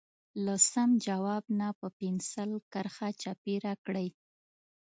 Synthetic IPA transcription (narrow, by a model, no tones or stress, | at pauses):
lasamd͡ʒawɑbnapəpinsəlkəɾxat͡ʃapiɾakɽəj